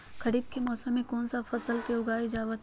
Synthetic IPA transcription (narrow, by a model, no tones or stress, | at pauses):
kɐɾiːb̚kemɔːsəmːẽkɔːnsafɐsəlkeʊɡaːid͡ʒaːʋət̪